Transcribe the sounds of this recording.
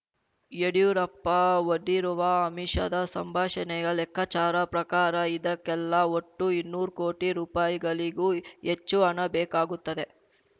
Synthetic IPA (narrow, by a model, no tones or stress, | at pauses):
jeɽijuɾɐpːɐoɖːiɾuʋɐɐmiʂɐ̰d̪ɐsɐmbʱaːʂɐnɛɡɐɭɛkːɐt͡ʃaːɾɐpɾɐkaːɾɐid̪ɐkːɛlːɐoʈːuinːuːɾkoːʈiɾuːpaːjiɡɐɭiɡuːet͡ʃːuɐnɐbɛːkaːɡut̪ːɐd̪e̞